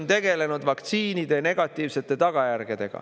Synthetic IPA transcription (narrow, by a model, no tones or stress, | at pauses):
nt̪e̞ɡe̞le̞nud̪vɑkt̪siːnid̪̥e̞ne̞ɡ̥ɑt̪ːˑiːvse̞t̪ːˑe̞t̪ɑɡ̥ɑjærɡ̥ed̪̥e̞ɡ̥ɑ̰